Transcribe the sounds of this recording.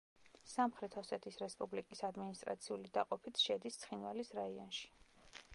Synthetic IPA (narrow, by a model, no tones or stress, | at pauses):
samχɾɛt̪ʰɔsɛt̪ʰisɾɛspʼublikʼisad̪minist̪ʼɾa̰t̪sʰiulid̪aqʼɔpʰit̪sʰʃɛd̪ist̪sʰχinwalisɾaiɔ̰nʃi̥